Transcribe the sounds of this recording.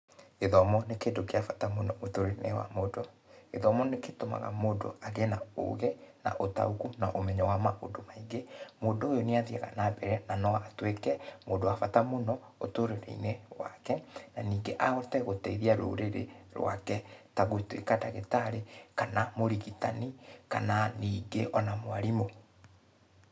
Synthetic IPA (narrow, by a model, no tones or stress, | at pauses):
eðɔmɔnekeːndokeafatamonɔotoɾeɾenḛwa̰modo | eðɔmɔneketoma̰ɣa̰moːdo̰aɣenao̰ɣena̰ʔota̰uɣunaʔomɛɲɔwamao̰domaiŋɡemoːdoojoneaðiɛɣa̰nabɛɾɛnanɔaːtwekɛmoːndoafatamonɔ | otoɾeɾḛinewa̰kɛnaniːŋɡeʔaɣɔtɛɣotɛiðiaɾo̰ɾeɾḛɾwa̰kɛtaɣoitwḛkadaɣetaɾekanamoɾiɣitanikananiːŋɡeʔɔnamwaɾimo